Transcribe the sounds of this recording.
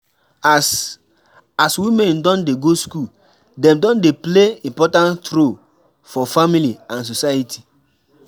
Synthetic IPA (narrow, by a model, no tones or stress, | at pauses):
s | aswimɛ̃ndɔ̃ndeɡosku | dɛ̃mdɔ̃ndepleĩmpɔtãntɾo | fɔfamiliãns̬osajitʰi̥